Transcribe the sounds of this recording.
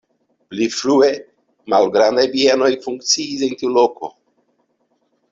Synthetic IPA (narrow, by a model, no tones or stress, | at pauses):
plifɾue | malɡɾand̪ajpieno̞jfuŋk̚t͡siːs̬entiuloko̰